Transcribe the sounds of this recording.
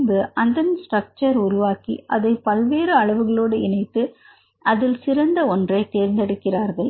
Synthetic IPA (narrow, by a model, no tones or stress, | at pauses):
bɯʔɐnd̪ɐnsʈrɐk̚t͡ʃɐɾʊɾʊʋaːkḭʔɐðɐɪpɐlʋeːɾɯɐɭɐʋɯɣɐɭoːɽɯɪɳɐɪt̪ːɯ | ɐðɪlsɪɾɐnd̪ɐɔndrɐɪt̪eːɾnd̪ɛɽɯkːɪraːɾɣɐɭ